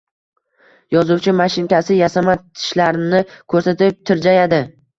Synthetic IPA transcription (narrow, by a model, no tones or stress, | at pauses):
jɒzʊwt͡ʃʰɪmaʃɪnkʲasɪjasamat̪ʰɪ̥ʃlaɾnɪkʰɵɾsat̪ɪp̚t̪ʰɪɾd͡ʒajad̪ɪ